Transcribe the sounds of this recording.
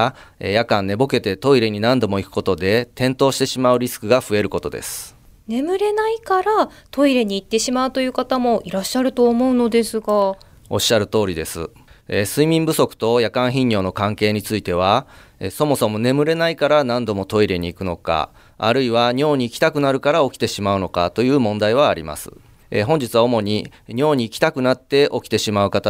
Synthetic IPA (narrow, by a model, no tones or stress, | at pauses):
ejakãnnːe̞bo̞ke̞t̪e̞t̪o̞iɾe̞ɲ̟inãnd̪o̞mo̞ikɯ̟̥ko̞t̪o̞d̪e̞t̪ẽ̞nt̪o̞ːɕi̥t̪e̞ɕimaɯ̟ɾʲisɨ̥kɯ̟ɡaɸɯ̟e̞ɾɯ̟ko̞t̪o̞d̪e̞̰sɨ̥ | ne̞mɯ̟ɾe̞naikaɾat̪o̞iɾe̞ɲ̟iːt̪ːe̞ɕimaɯ̟t̪o̞jɯ̟ːkat̪amo̞ʔiɾaɕːaɾɯ̟t̪o̞ːmo̞ɯ̟no̞d̪e̞sɨɡa | o̞̰ɕːaɾɯ̟t̪o̞ːɾʲid̪e̞sɨ̰ | esɨimʲĩmbɯ̟so̞kɯ̥t̪o̞jakãɰ̃çĩɲ̟ːo̞ːno̞kãŋke̞ːɲ̟it͡sɨit̪e̞β̞aeso̞mo̞somo̞ne̞mɯ̟ɾe̞naikaɾanãnd̪o̞mo̞t̪o̞iɾe̞ɲ̟iːkɯ̟no̞ka̰ | a̰ɾɯ̟iβaɲo̞ːɲ̟iːkʲi̥t̪akɯ̟naɾɯ̟kaɾao̞kʲi̥t̪e̞ɕimaɯ̟no̞ka̰t̪o̞jɯ̟ːmõ̞nd̪aiβ̞aːɾʲḭma̰sɨ̥̰ | ḛɦõ̞ɲ̟d͡ʑit͡sɨβao̞mo̞ɲ̟iɲo̞ːɲ̟iːkʲi̥t̪akɯ̟nat̪ːe̞ʔo̞kʲi̥t̪e̞ɕimaɯ̟kat̪a